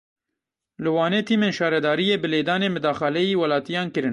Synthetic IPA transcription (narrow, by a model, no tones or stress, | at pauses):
lɨwɑːneːt̪ʰiːmeːnʃɑːɾɛd̪ɑːɾijeːbɨleːd̪ɑːneːmɨd̪ɑːxɛlɛjiːwɐlɑːt̪ijɑːnkɨɾɨn